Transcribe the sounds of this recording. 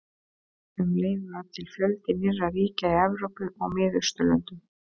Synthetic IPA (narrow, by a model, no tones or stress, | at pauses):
hʏmleːjvʏaðt̪ʰɪlfjœlt̪ɪmɪrːaɾiːcaiɛvɾowpʏʔɔɣmɪːðʏst̪ʏlœ̰nt̪ʏm